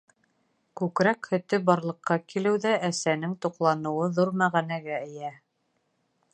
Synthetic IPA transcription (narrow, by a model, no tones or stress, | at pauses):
kʉkɾækhɵ̆t̪ɘbɑɾlˠɤ̆qːɑkilɘwðæʔæsænɘŋt̪uqlˠɑnɤ̆wɤðuɾmæʁænæɡæɘ̆jæ